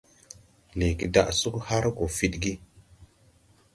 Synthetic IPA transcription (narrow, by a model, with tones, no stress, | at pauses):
li˨ɡi˨da̰˨ʔsu˦kha˦ɾko˨fi˦tɡi˦